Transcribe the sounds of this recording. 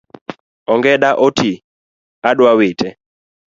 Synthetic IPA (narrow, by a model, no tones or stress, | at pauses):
ɔŋɡɛɗaʔɔtʰi | aɗwawɪtʰɛ